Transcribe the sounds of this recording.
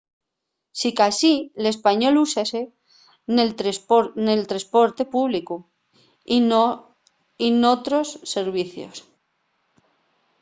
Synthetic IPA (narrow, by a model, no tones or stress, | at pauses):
sikasile̞spaɲo̞lusase | nenelt̪ɾaspo̞ɾt̪e̞puβliku | inot̪ɾo̞sːeɾβiθjo̰s